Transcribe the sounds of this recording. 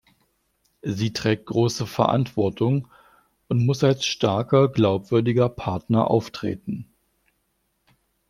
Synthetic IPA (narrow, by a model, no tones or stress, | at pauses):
ziːtʁ̥ɛːk̚t̚ɡ̥ʁoːsəfɛɐʔa̰ntv̥ɔɐtʰʊŋ | ʔʊntmʊsalsʃtaɐkɐɡlaʊpv̥ʏɐdɪɡɐpʰaɐtnɐʔa̰ʊftʁ̥ḛːtn̩